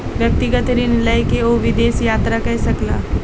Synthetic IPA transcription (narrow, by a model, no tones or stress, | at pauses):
ʋjɐk̚t̪ɪɡət̪ɾinɪləjkeoʋɪd̪eːsjaːt̪ɾakɐɦɛsɐklaː